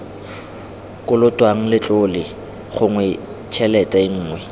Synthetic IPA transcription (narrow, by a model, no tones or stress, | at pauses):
kʼʊlʊtʼwaŋ̩lɪt͡ɬʼʊlɪ | χʊŋwɛ | t͡ʃʰɛlɛtʼaɪŋ̩ːŋwɛ